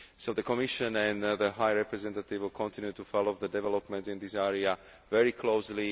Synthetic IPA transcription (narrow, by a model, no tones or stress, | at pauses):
soʊðəkɔmiʃə̃nɛ̃nðəɦajɹɛpɹɛzɛ̃nt̪at̪ɪvlkʰɔ̃nt̪ĩnjut̪ufɔloʊðədɛvɛlɔpmɛ̃ntĩnd̪isɛɹia | vɛɹikʰloʊsli